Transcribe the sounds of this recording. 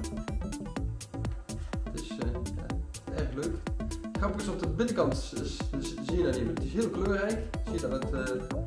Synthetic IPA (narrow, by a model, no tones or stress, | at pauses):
ətɪsja̰ː | ɛɹxløkɪkχrɑpəəsɔpdəbɪnəkɑnt | ziədaːneməətɪsɦɪːlˠkløːrɛjkz̥ijədɑtətː